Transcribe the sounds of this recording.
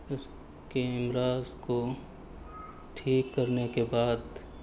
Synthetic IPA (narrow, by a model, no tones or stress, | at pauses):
ʊs | keɪmɾaːzko | ʈʰiːkːɐɾnekebaːd̪